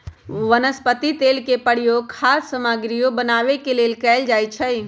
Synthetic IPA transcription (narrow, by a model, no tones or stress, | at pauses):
ʋənəspət̪it̪eːlkepəɽ̤ijokʰaːsːəmaɡɾijobənaːʋekeleːlkɛɪld͡ʒaːjt͡ʃʰəj